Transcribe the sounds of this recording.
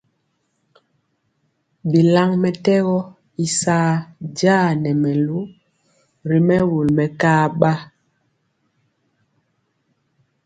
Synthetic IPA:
bi˨la˦ŋmɛ˨tɛ˦ɣɔ˦ | i˦saː˦d͡ʒaː˦˨nɛ˨mɛ˨lu˦ | ɾi˨mɛ˦wu˨lmɛ˨kaː˦ɓa˦

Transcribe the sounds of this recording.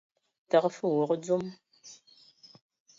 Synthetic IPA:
ta˨qfə˦˨wo˨qd͡zu˦m

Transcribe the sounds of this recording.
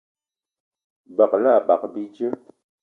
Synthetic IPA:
ba˨k̚la˦˨ba̰˨k̚bi˦d͡ʒə˦

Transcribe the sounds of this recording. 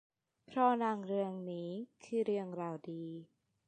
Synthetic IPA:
pʰɾɔ˦˥naː˧ŋɾɯ˧əŋniː˦˥kʰɯː˧˩ɾɯ˧əŋɾaː˧wdiː˧˩

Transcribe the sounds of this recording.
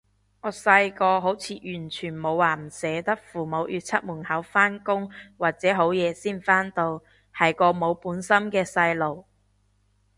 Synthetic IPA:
ŋɔː˨˥sɐ˧jkɔː˧ɦo˨˥wt͡sʰiː˨˧jyː˨˩nt͡ʃʰyː˨˩nmo˨˧wːaː˨˩m̩˨˩sɛː˨˧t̪ɐ˥k̚fuː˨˩mo˨˧wjyː˨˧t̚t͡sʰɐ˥t̚muː˨˩nhɐ˨˥wfaː˥nkʊ˥ŋwaː˨k̚t͡sɛː˨˥ɦo˨˥wjɛː˨˧siː˥nfaː˥nt̪o˧w | hɐ˨jkɔː˧mo˨˧wpuː˨˥nsɐ˥mkɛː˧sɐ˧jlo˨˩w

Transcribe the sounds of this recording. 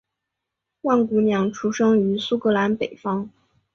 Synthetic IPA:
wa˥˩nku˧˥mjɑ˨˩ŋʈ͡ʂʰu˧˥ʂɤ˥ŋy˧˥su˥kɤ˧˥la˧˥npe˨˩ɪfɑ˥ŋ

